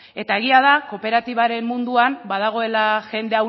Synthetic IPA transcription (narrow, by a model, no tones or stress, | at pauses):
e̞t̪ae̞ɣiað̞ako̞pe̞ɾat̪iβaɾe̞mːund̪uambað̞aɣ̞o̞e̞laʝe̞nd̪e̞aw